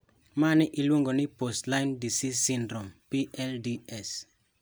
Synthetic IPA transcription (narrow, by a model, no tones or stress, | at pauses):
manɪʔɪlwoŋɡonɪpostlaɪndisisɪndɾompiɛldiɛs